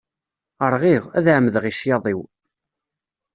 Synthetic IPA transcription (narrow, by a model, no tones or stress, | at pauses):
əɾˤʁiʁæ̰ðʕməðʁiʃjɑðˤiw